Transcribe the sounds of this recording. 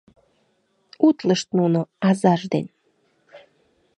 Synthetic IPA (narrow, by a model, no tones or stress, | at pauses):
ut̪ləʃt̪nunoɑzɑʒd̪en